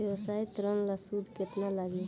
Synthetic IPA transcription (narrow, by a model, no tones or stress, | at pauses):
jəwsaːjt̪ɾənlasud̪ket̪nalaɡi